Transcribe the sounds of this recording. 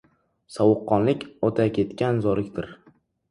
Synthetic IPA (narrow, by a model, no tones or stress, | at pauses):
sɒwʊqːɒnlɪkʲɒt̪ʰakʲʰe̞t̪kʲanzɒɾɪkʲd̪ɪɾ